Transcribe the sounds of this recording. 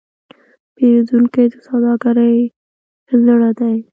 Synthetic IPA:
pewzuŋkejd̪əsawd̪ɑɡaɾəj | zəɽad̪aj

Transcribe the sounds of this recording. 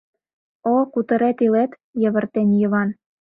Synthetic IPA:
okut̪ə̆ɾet̪ilet̪ | jə̆βə̆rt̪enjəβɑn

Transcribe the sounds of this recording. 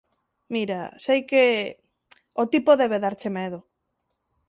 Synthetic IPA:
miɾa̰sejke | ot̪ipoðeβ̞eðaɾt͡ʃemeð̞o

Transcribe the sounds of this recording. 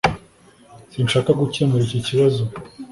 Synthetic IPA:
sinʃaːkaɡucemeɾiciciβazo

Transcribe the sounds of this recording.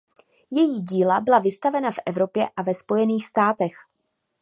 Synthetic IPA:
jɛjiːɟiːlabɪlavɪst̪avɛnafʔɛvɾo̞pjɛʔavɛspo̞jɛniːxst̪aːt̪ɛx

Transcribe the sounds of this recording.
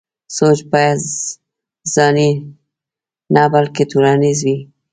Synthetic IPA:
sot͡ʃpaja | z̥ɑni | nabalket̪ʰuɾɑnizwi

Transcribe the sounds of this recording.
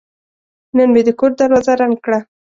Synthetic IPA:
nənbed̪əkoʈ̚d̪aɾwɑzaɾan̚kɽa

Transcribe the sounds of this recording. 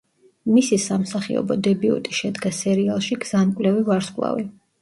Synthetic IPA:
misisamsaχḭɔ̰bɔ̰d̪ɛbiɔ̰t̪ʼiʃɛd̪ɡasɛɾialˠʃiɡz̥ankʼwlɛvivaɾskʼwlˠa̰vi

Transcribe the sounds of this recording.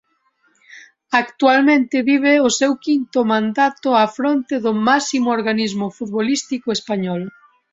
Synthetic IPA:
akt̪ualmẽnt̪ɪβiβ̞eʊsɛwkint̪ʊmãnd̪at̪ʊafɾont̪ɪðʊmasimooɾɣanizmʊfut̪̚βolist̪ikʊespaɲɔl

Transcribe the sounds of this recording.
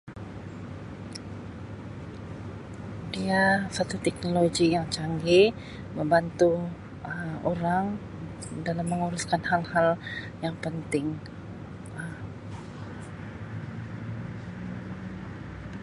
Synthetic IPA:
diasat̪ut̪ɛk̚noloɡijaŋt͡ʃaŋɡi | məmbant̪u | əmoɾaŋ | dalamːəŋuɾuskanhalhal | jaŋpənt̪ɪŋ | əm

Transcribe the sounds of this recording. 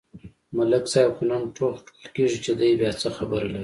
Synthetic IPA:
malaksajakunanʈʰoxk̪əlkeʐit͡ʃed̪əjbjɑt͡səxabəɾalaɾi

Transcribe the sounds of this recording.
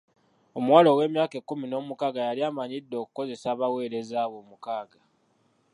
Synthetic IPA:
o̞mwaːlo̞we̞ːmjaːke̞kːumino̞ːmukaːɡajaliaːmaɲidːo̞ːku̥ko̞ze̞saːβawe̞ːɾe̞zaːβo̞ːmukaːɡa

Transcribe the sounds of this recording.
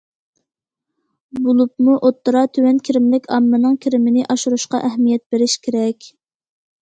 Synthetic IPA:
bolˠup̚muʔot̪ːɨɾɑt̪ʰøwɛnkʲʰiɾɪmlɪkʲʰɑmːɨnɨŋkʲʰiɾɪmɪnɪʔɑʃuɾuʃqɑ̰ʔɛɦmijɛt̪̚beɾɪʃkʲʰeɾɛkʲ

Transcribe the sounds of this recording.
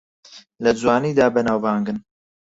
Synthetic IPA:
lɐd͡zwaːniːd̪aːbɛnaːwvaːŋɡɨn

